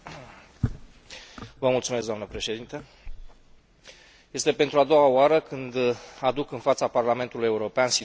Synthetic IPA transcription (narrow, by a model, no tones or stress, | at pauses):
vəmult̪sumeskɡd̪oamnəpɾe̞ʃe̞d̪int̪ə | je̞st̪e̞pe̞nt̪ɾuad̪o̞waoaɾəkɨnd̪ad̪ukɨnfat̪saparlame̞nt̪uluje̞uɾo̞peansi